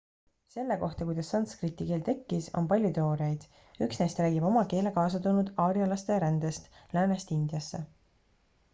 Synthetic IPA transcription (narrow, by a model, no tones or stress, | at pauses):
se̞lːe̞ko̞ht̪ɑkujd̪̥ɑsːɑnskrit̪ːˑikeːlt̪e̞kːiso̞̰npɑlʲjut̪eo̞ːɾjejd̪̥ | yksnejst̪ɾæːɡib̥o̞mɑke̞ːle̞kɑːs̬ɑt̪unud̪̥ɑːɾjɑlɑst̪e̞ɾænd̪̥e̞st̪læːnest̪ind̪jɑsːe̞